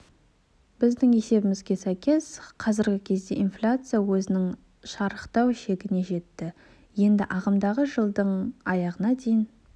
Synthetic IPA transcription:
b̥ɪzd̪ɪŋe̞se̞bɪmɪzɡʲe̞sæjkʲe̞sqʰɑzɪɾɡʲɪkʲʰe̞zd̪e̞̰ʔinflʲat̪sɨjawɵzɪnɪŋ | ʃɑɾəqt̪ɑwʃe̞ɡʲɪne̞ʒe̞t̪ːɪ | je̞nd̪ɪʔɑʁɑmd̪ɑʁəʒəlˠd̪əɴɑjɑʁənɑd̪e̞jɪn

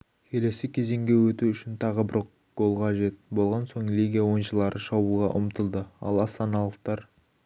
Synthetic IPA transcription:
kʲʰe̞le̞sɪkʲʰe̞ze̞ŋɡʲe̞wɵt̪uʏʃɪnt̪ʰɑʁəbɪɾ | ɡ̥o̞lˠqʰɑʒe̞t̪bo̞lˠʁɑnso̞ɴlʲiɡʲijawo̞nʃəlˠɑɾʔəʃɑbuʁɑ̰ʔʊ̰mət̪əlˠd̪əɑ̰lˠɑst̪ɑnɑlˠəqt̪ɑɾ

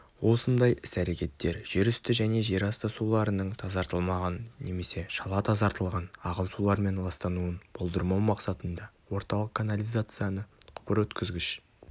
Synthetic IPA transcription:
wo̞sənd̪ɑjʔɪsæɾe̞kʲe̞t̪ːe̞ɾʒ̥eɾʏst̪ɪʒæne̞ʒe̞ɾɑst̪əsulˠɑɾənəɴt̪ʰɑzɑɾt̪əlˠmɑʁɑnne̞me̞se̞ʃɑlˠɑt̪ʰɑzɑɾt̪əlˠʁɑnɑʁənsulˠɑɾme̞nlˠɑst̪ɑnuənb̥ʰolˠd̪əɾmɑwmɑqsɑt̪ənd̪ɑwo̞ɾt̪ɑlˠəq̚kʰːanalʲijzat̪sɨjanəqʰʊ̥pəɾwɵt̪kʲɪzɡʲɪʃ

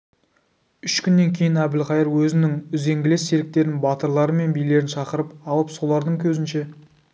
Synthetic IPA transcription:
ʏʃkʲʰʏnːe̞ŋkʲʰe̞jɪnæbɪlχɑjəɾwɵzɪnɪŋʏze̞ŋɡʲɪle̞sːe̞lɪk̚t̪e̞ɾɪnbɑt̪əɾlˠɑɾəme̞nbijle̞ɾɪnʃɑqəɾəpɑlˠəpso̞lˠɑɾd̪əɴkʲʰɵzɪnʃe̞

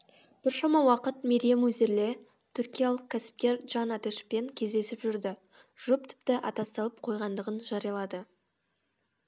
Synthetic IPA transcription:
b̥ɪɾʃɑmɑwɑqət̪meɾijemɵze̞ɾle̞ | t̪ʰʏɾkʲijalˠəq̚kʰʲæsɪ̥p̚kʲe̞ɾʒɑnæt̪eʃpe̞ŋkʲʰe̞zd̪e̞sɪpʒʏɾd̪ɪ | ʒ̥ʊp̚t̪ʰɪ̥p̚t̪ɪʔɑ̰t̪ɑst̪ɑlˠəp̚qʰo̞jʁɑnd̪əʁənʒɑɾijɑlˠɑd̪ə

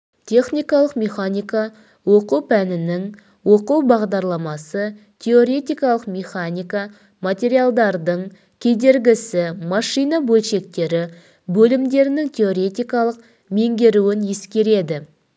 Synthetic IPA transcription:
t̪ʲʰe̞χnʲijkɑlˠəqmʲe̞χanʲijkɑ | wo̞quwpʰænɪnɪŋ | wo̞quwbɑʁd̪ɑɾlˠɑmɑsə | t̪ʲʰeo̞ɾʲe̞t̪ʲijkɑlˠəqmʲe̞χanʲijka | mat̪ʲe̞ɾijalˠd̪ɑɾd̪əɴ | kʲʰe̞d̪e̞ɾɡʲɪsɪmɑʃijnabɵlʃe̞kt̪e̞ɾɪ | bɵlɪmd̪e̞ɾɪnɪŋt̪ʲʰe̞o̞ɾe̞t̪ʲijkɑlˠəq̚ | me̞ŋɡʲe̞ɾuwɪnje̞skʲe̞ɾe̞d̪ɪ

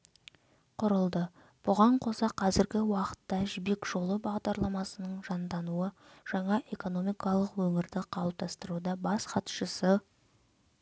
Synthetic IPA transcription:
qʰʊɾəlˠd̪ə | b̥ʊʁɑɴqʰo̞sɑqʰɑzɪɾɡʲɪwɑqə̥t̪ːɑʒɪbe̞kʒ̥o̞lˠəbɑʁd̪ɑɾlˠɑmɑsənəɴʒɑnd̪ɑnuə | ʒ̥ɑɴɑʔe̞ko̞no̞mijkɑlˠəqwɵŋɪɾd̪ɪqʰɑlˠəp̚t̪ʰɑst̪əɾud̪ɑbɑsqɑt̪ʃəsə

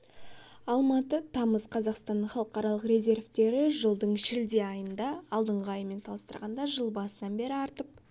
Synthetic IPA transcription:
ɑlˠmɑt̪ət̪ʰɑməzqʰɑzɑqst̪ɑnːəɴχɑlˠəqɑɾɑlˠəqɾʲe̞zʲe̞ɾvt̪e̞ɾɪʒəlˠd̪əɴʃɪld̪eɑjənd̪ɑɑlˠd̪əɴʁəɑjəme̞nsɑlˠəst̪ə̰ɾʁɑnd̪ɑʒəlˠbɑsənɑnbe̞ɾɪɑɾt̪əp̚

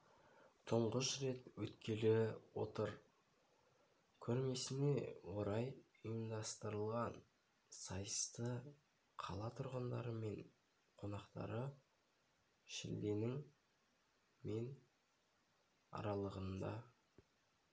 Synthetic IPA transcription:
t̪ʰʊɴʁəʃɾe̞t̪wɵt̪kʲʰe̞lɪwo̞t̪əɾ | kʲʰɵɾme̞sɪne̞wo̞ɾɑj | əjəmd̪ɑst̪əɾəlˠʁɑn | sɑjəst̪ə | qʰɑlˠɑt̪ʰʊɾʁənd̪ɑ̰ɾəme̞ɴ | qʰo̞nɑqt̪ɑ̰ɾə | ʃɪ̰ld̪e̞nɪŋ | me̞n | ɑ̰ɾɑlˠəʁənd̪ɑ̰

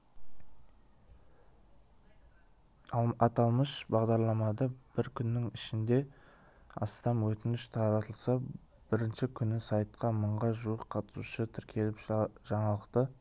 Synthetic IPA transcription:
ɑt̪ɑlˠməʃbɑʁd̪ɑɾlˠɑmɑd̪ɑb̥ɪɾkʲʰʏnːɪŋɪʃɪnd̪e̞ | ɑ̰st̪ɑmwɵt̪ɪnɪʃt̪ʰɑɾɑt̪ʰəlˠsɑ | b̥ɪɾɪnʃɪkʲʰʏnɪsɑjt̪qɑməɴʁɑʒuwəqqʰɑt̪ə̥suʃət̪ʰɪɾkʲʰe̞lɪpʒ̥ɑɴɑlˠəqt̪ə

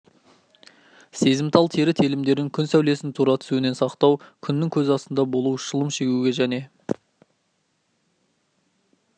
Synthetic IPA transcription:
se̞zɪmt̪ʰɑlˠt̪ʰe̞ɾɪt̪ʰelɪmd̪e̞ɾd̪ɪŋkʲʰʏnsæwle̞sɪnt̪ʰuɾɑt̪ʰʏ̥suɪne̞nsɑqt̪ɑwkʲʰʏnːɪŋkʲʰɵzɑst̪ənd̪ɑbo̞lˠuwʃəlˠəmʃe̞ɡʲuɡʲe̞ʒæne̞

